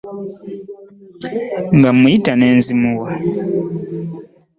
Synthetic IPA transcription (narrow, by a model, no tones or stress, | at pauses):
ŋɡamujitaneːnzimuwa